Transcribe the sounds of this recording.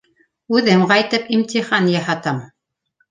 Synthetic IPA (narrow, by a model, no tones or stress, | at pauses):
ʉðɘmqɑjt̪ɤpimt̪ʲiχɑnjɑhɑt̪ɤm